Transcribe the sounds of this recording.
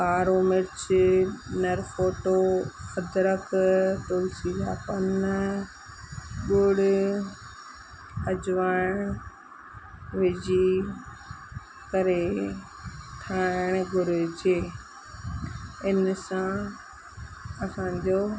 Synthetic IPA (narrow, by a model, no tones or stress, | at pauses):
kaːɾomɪɾt͡ɕ | nɐɾfoːʈoɐd̪ɾəkt̪oːlsid̪aːpɐn | ɡʊɽ | ɐd͡ʑʋaːɪɽ̃ | ʋɪd͡ʑi | kɐɾe | ʈʰaːɪɽ̃ɡʱʊɾʊd͡ʑeː | ɪnsã | ɐsãːɲd͡ʑoː